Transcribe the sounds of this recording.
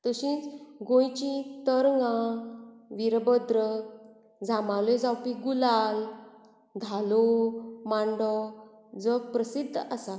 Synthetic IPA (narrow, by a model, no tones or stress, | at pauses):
t̪əɕĩt͡sɡõjt͡ɕĩt̪əɾŋɡã | ʋiɾbəd̪ɾə | d͡zamaled͡zawpiɡulal | d̪ʱalomaɳɖɔ | d͡zɔpɾəsid̪ʱːasa